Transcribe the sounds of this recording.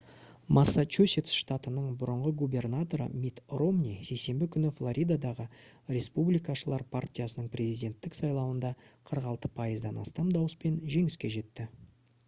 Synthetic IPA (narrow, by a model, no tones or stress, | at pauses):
mʔasːat͡ʃusʲet̪sʃt̪at̪ənəɴbʊɾəɴʁəɡube̞rnat̪o̞ɾə̰mit̪ro̞mnʲise̞jse̞mbɪkʲʰʏnɪflˠoɾʲʔijd̪ad̪ɑʁəɾʲe̞spublijkɑʃəlˠɑɾpʰartʲijasənəɴpɾʲe̞zijd̪ʲe̞nt̪ːɪksɑjlˠɑwənd̪ɑqʰəɾəqɑlˠt̪ə̥pʰɑjəzd̪ɑnɑ̰st̪ɑmd̪ɑwəspe̞nʒe̞ŋɪskʲe̞ʒe̞t̪ːɪ